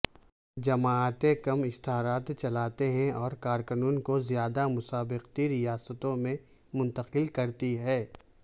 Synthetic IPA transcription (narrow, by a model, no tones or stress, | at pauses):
d͡ʒɐmaːt̪ẽkɐmɪst̪aːɾaːt̪t͡ʃɐlaːt̪eɦɛ̃ɔːɾkaːɾkənuːnkozjaːd̪amʊsaːbɪqt̪iɾɪjaːsət̪õmẽ | mʊ̃nt̪əqɪlkɐɾt̪iɦɛː